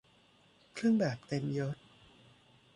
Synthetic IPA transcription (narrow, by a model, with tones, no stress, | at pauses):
kʰlɯ˥˩əŋbɛː˨˩p̚t̪e˧mjɤ˦˥